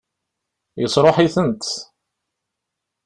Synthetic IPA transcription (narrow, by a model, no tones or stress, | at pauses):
jəsˤɾˤoħiθənt̪